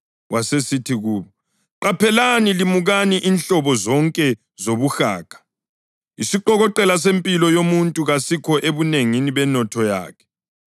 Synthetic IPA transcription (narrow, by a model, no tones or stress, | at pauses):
wasesitʰiɣuːβɔ | ǃapʰɛlanilimuɣaniʔinɬɔβɔzɔŋkʼɛ | zoβuxa̰ːkʰḁ | isiǃɔɣɔǃɛlas̬empʼilɔjomuntʼuɣasikʰɔʔeβuneŋiniβɛnɔtʰɔja̰ːkʰɛ̥